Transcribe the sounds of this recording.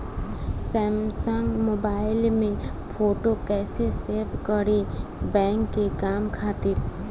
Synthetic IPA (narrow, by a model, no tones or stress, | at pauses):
sɛːmsəŋɡmoːbaːɪlmẽpʰoːʈokɛːseseːɾbkəɽebɛ̃ːŋkːekaːmkʰaːt̪ɪɾ